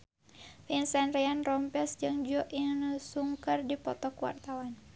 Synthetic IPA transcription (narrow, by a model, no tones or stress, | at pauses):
finsɛnrɛanrɔmpɛsd͡ʒɨŋd͡ʒɔʔiŋnusuŋkərdipɔt̪ɔkuwa̰rt̪awan